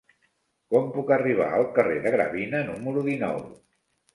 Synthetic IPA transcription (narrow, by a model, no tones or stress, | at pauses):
kɔmpukəriβ̞a̰əlˠkəreðəɣɾə̰βinənuməɾuðinɔ̰w